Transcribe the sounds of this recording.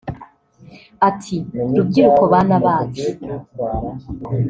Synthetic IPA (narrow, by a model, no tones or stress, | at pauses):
atʰiɾub̚ɡiːɾuko̞βaːnaβaːti